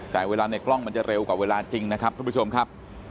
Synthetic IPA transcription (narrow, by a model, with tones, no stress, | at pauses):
t͡ɕɛː˨˩˦weː˧laː˧na˧˩klɔ˥˩ŋma˧nt͡ɕa˨˩ɾe˧wkwaː˨˩weː˧laː˧t͡ɕi˧ŋna˦˥kʰa˦˥p̚t̪ʰa˥˩˦t͡ɕʰo˧mkʰa˦˥p̚